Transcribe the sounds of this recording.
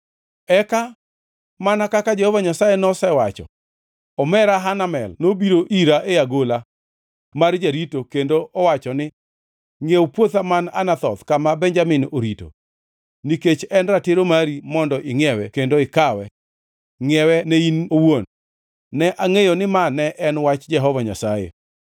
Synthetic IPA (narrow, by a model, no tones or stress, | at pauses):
ɛka | manakakad͡ʒehɔvaɲasajɛnɔsɛwat͡ʃɔ̰ | ɔmɛɾaɦanamɛ̰lnobiɾoʔiɾaʔejaɡola | mard͡ʒaɾitokendoʔɔwat͡ʃɔnɪ | ŋewpwot̪amana̰nat̪ɔt̪kamabɛɲd͡ʒamɪnoɾito̰ | niket͡ʃɛnratɪɾomaɾimɔndɔʔɪŋɛwɛkendoɪkawɛ̰ | ŋɛwɛneinowon | nɛʔaŋejonɪmanɛʔɛnwat͡ʃd͡ʒɛɦɔvaɲa̰sajḛ